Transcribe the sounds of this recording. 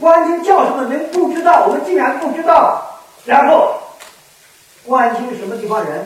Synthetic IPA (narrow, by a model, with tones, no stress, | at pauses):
kwa˥nt͡ɕi˥nt͡ɕjɑ˥˩ʊʂə˧˥mə˧˨nə˧˥ŋpu˥˩ʈ͡ʂɻ̩˥t̪ɑ˥˩ʊwɔ˨˩mə˦nt͡ɕi˥˩ɻa˧˥npu˥˩ʈ͡ʂɻ̩˥t̪ɑ˥˩ʊ | ɻa˧˥nxo˥˩ʊ | kwa˥˩nt͡ɕʰi˥ŋ˨˩ʂə˧˥mə˧t̪i˥˩fɑ˥˩ŋɻə˧˥n